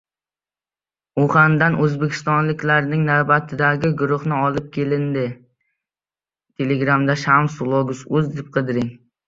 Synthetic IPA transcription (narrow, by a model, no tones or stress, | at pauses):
ʊχand̪anʔɵzbekʲʰɪ̥st̪ɒnlɪkʲlaɾnɪŋnavbat̪ʰɪd̪aɡʲɪɡʊɾʊhnɪɒlˠɪp̚kʲʰe̞lɪnd̪ɪ | t̪ʰe̞leɡɾamd̪aʃamsʊlˠoɡʊsɵzd̪ɪp̚qʰɨd̪ɪɾɪŋ